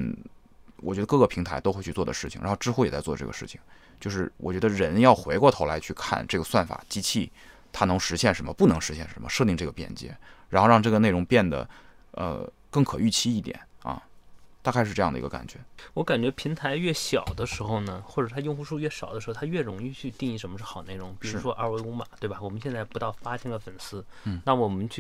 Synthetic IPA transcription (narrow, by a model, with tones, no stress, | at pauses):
wɔ̰˨˩t͡ɕɥɛ˧˥d̪ə˧kɤ˥˩ɡə˩pʰi˧˥ŋt̪ʰa˧˥ɪt̪o˥xe˥˧ɪt͡ɕʰy˥˧t͡swɔ˥˩ə˩ʂɻ̩˥˩t͡ɕʰḭ˨˩ŋɻa̰˧˥xʊʈ͡ʂɻ̩˥xu˥jɛ˨˩t͡sa˥˧t͡swɔ˥˧˩ə˧ʈ͡ʂɤ˥˩ɡə̰˩ʂɻ̩˥˩t͡ɕʰi̥˩ŋ | t͡ɕjo˥˧ʊʂɻ̩˥˩wʔɔ̰˨˩t͡ɕɥɛ˧˥d̪ə˧ɻə˧˥njɑ˥˩ʊxwe˧˥ɪkwɔ˥˩o˧˥ʊla˧˥ɪt͡ɕʰy˥˧kʰa̰˥˧nʈ͡ʂɤ˥˩ɡə˩swa˥˩nfa̰˨˩t͡ɕi˥t͡ɕʰi˥˩ | t̪ʰa˥nɤ˧˥ŋʂɻ̩˧˥ɕjɛ˥˩nʂə˧˥nmə˧pu˥˩nɤ˧˥ŋʂɻ̩˧˥ɕjɛ˥˩nʂə˧˥mə̰˧ʂɤ˥˧t̪i˥˧ŋʈ͡ʂɤ˥˩ɡə˩pjɛ̰˥˩nt͡ɕjɛ̰˥ɻa˧˥nxo˥˧ʊɻɑ˥˧ŋʈ͡ʂɤ˥˩ɡə˩ne˥˩ɪʈ͡ʂʊ˧˥ŋpjɛ˥˩nd̪ə̰˩ | ə̰˧ | kɤ˥˩ŋkʰɤ˨˩y˥˩t͡ɕʰi˥i˥˩t̪jɛ̰˨˩˦nɐ̰˧t̪a˥˧kʰa˥˧ɪʂɻ̩˥˧ɤ˥˧jɑ˥˩ŋd̪ə̰ḭ˧˥ɡə˧ka̰˨˩nt͡ɕɥɛ˧˥wɔ˧˥ka˨˩nt͡ɕɥɛ˧˥pʰi˧˥ŋt̪ʰa˧˥ɪɥɛ˥˩ɕjɑ˨˩ʊd̪ə˦ʂɻ̩˧˥xo˧ʊnə˩xwɔ˥˩ʈ͡ʂɤ˨˩t̪ʰa˥jo˥˧ŋxu˥˧ʂu˥˧ɥɛ˥˩ɕjɑ˨˩ə˦ʂ̩˧˥˧t̪ʰa˥ɥɛ˥˩ɻʊ˧˥ŋi˥˧t͡ɕʰy˥˧t̪i˥˧ŋi˧˥ʂə˧˥nmə˧ʂ̩˥˩xɑ˨˩d̪ə˦ne˥˩ʊ˧˥ŋpi˨˩ɻu˧˥ʂwɔ˥ʔa˥˧wɪkʊ˧˥ŋma̰˨˩˦t̪we˥˩ɪbɐ˨˩wɔ˨˩mə˦nɕjɛ˥˧nt͡sa˥˩ɪpu˧˥t̪ɑ˥˩ʊfa˥ɕʰɛ˧˥˩ŋd̪ə˧˩fə˨˩nsɹ̩˥˩na˥˩wɔ˨˩mə˦nt͡ɕʰy˥˩